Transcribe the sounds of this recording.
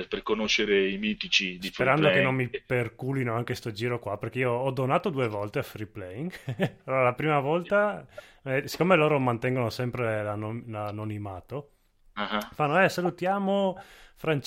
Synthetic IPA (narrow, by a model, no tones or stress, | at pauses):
perkonoʃeɾeimiːt̪it͡ʃid̪isfpeɾand̪okenomːiperkulinoaŋkest̪od͡ʒiːɾokwaperk̟eioɔd̪onaːt̪od̪uːevɔlt̪eafɾiplɛiŋaloːɾalapɾiːmavɔlt̪a | ɛsi̥kːomeloːɾomant̪ɛŋɡonosɛmpɾelanolanonimaːt̪o | ahafanːoɛsalut̪jaːmofɾant͡ʃ